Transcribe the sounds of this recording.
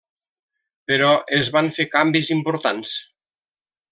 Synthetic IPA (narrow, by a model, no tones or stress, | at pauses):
peɾɔʔezβaɱfekambizimpoɾt̪ans